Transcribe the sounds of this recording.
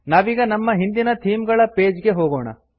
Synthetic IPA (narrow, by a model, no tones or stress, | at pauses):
naːʋiːɡɐnɐmːɐɦind̪inɐt̪ʰiːmɡɐɭɐpeːd͡ʒɡe̞ɦoːɡoːɳɐ̰